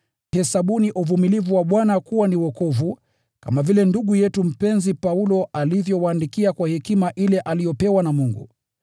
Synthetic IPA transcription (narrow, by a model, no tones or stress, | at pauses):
hɛsaɓuniʔuvumilivuwaɓwanakuwaniwɔkɔvu | ka̰mavilɛnduɠujɛtum̩pɛnzipaulɔʔalivjɔwaːndikiakwahɛkimaʔilɛʔalijɔpɛwanamuŋɡṵ